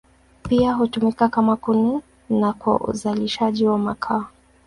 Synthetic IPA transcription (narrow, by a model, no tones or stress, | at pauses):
piaɦutumikakamakuni | nakwa̰ʔṵzaliʃaʄiwamakʰaː